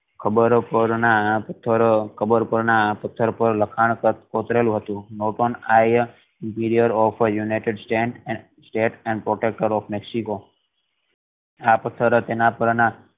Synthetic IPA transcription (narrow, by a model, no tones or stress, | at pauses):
kʰəbəɾpəɾnapət̪ʰːəɾkʰəbəɾpəɾnapət̪ʰːəɾpəɾləkʰaɳ̃kkot̪ɾelũɦət̪ũnoʈonaj | ɪmpiɾijəɾɔfʰjunajʈɪɖsʈɛ̃ʈ | sʈeʈɛ̃ɳɖpɾoʈek̚ʈəɾɔfʰmeksiko | apət̪ʰːəɾt̪enapəɾna